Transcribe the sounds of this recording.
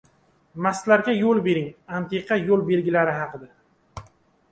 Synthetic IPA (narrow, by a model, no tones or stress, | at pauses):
maslaɾɡʲajolˠbe̞ɾɪŋamt̪ʰɪqʰɑjolˠbe̞lɡʲɪlaɾɪɦɑqʰɨd̪a